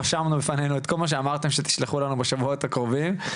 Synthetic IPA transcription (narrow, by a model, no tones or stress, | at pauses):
aʃamnubefanenuet̪kʰo̞lmaʃ̬eamaʁt̪e̞mʃet̪i̥ʃleχulanubeʃavuo̞t̪hakʁovim